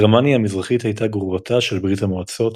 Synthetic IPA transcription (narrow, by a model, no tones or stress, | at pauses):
ʁmanjaːmizʁaχithajtaɡʁuvatʰaʃelbʁithamoat͡so̞t